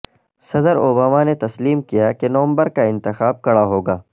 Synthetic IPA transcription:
sɐd̪əɾoːbaːmanet̪ɐsliːmkijakenoʋə̃mbəɾkaɪ̃nt̪ɪxaːb̚kɐɽaɦoːɡaː

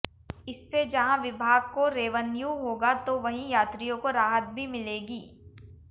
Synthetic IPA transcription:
ɪsːed͡ʒɐɦãʋɪbʱaːɡ̚koɾeːʋənjuɦoːɡat̪oʋɐɦĩjaːt̪ɾijõkoɾaːɦət̪̚bʱimɪleːɡiː

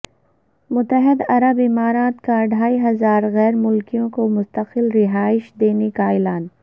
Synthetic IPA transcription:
mʊt̪əɦɪd̪ɐɾəbɪmaːɾaːt̪kaɖʱaːiɦɐzaːɾɣɛːɾmʊlkijõkomʊst̪əqɪlɾɪɦaːɪʃd̪eːnekaɪːlaːn

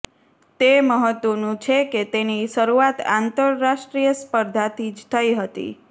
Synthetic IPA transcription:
t̪eməɦət̪ʋənũt͡ʃʰeket̪eniʃəɾuat̪ant̪əɾːaʃʈɾijəspəɾd̪ʱat̪ʰid͡ʒt̪ʰəjɦət̪ḭ

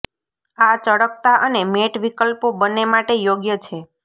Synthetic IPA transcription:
at͡ʃəɽək̚t̪aʔənemeʈʋikəlpobənːemaʈejoɡjət͡ʃʰe

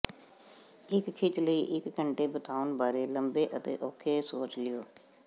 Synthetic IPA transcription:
ɪkkʰːɪt͡ʃləiːʔɪkːəɳʈeːbət̪ʰaːʊnbaːɾeːləmbeːʔət̪ḛːʔɔːkʰːeːsoːt͡ʃlɪjoː

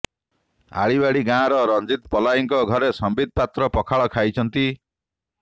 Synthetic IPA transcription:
a̰ɭibaɽiɡãːɾɔɾɔnd͡ʒit̪pɔlajiŋkɔɡʱɔɾesɔmbid̪̚pat̪ɾɔpɔkʰaɭɔkʰajt͡ʃʰɔnt̪i

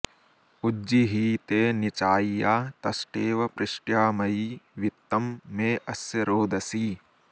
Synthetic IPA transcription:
ud͡ʒːiɦiːt̪eːnit͡ʃaːijaːt̪ɐsʈeːʋɐpɾɪʂʈjaːmɐiʋit̪ːɐmːeːʔɐsjɐɾoːd̪ʱɐsiː

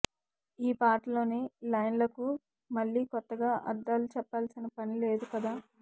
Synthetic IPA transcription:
iːpaːʈlo̞ːneːlɐjnlɐku | mɐɭːiːkɔt̪ːɐɡaːʔɐ̰d̪ːaːlut͡ʃɛpːaːlsinɐpɐnile̞ːd̪ukɐd̪aː

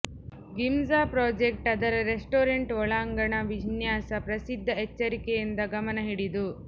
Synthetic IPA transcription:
ɡimzaːpɾoːd͡ʒek̚ʈɐd̪ɐɾɐɾesʈoːɾeɳʈɔɭaːŋɡɐɳɐʋinjaːsɐpɾɐsid̪ʱːɐet͡ʃːɐɾikejind̪ɐɡɐmɐnɐɦiɽid̪u

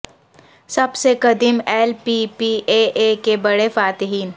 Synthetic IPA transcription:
sɐbsekɐd̪imɛːlpiːpiːʔeːʔeːkebɐɽefaːt̪ɪɦiːn

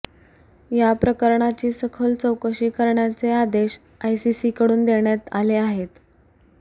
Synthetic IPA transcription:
japɾəkəɾɳat͡ɕiːsəkʰəlt͡səwkəɕiːkəɾɳjat͡sead̪eɕ | ajsisikəɽuːnd̪eɳjat̪aleaɦet̪

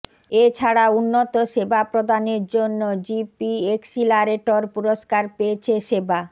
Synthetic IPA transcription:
et͡ɕʰaɽaunːot̪oʃebapɾod̪aneɾd͡ʑonːod͡ʑipieksilaɾeʈoɾpuɾoʃkaɾpeet͡ɕʰeʃeba

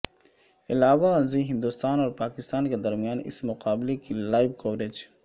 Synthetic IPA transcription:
ɪlaːwaziɦɪ̃nd̪ust̪aːnɔːɾpaːkɪst̪aːnked̪ɐɾmijaːnɪ̰smʊqaːblekilaːɪbkoːɾeːd͡ʒ

